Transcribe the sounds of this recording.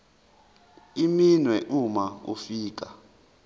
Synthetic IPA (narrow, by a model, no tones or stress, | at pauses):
iminwɛʔumaṵfiːk̬a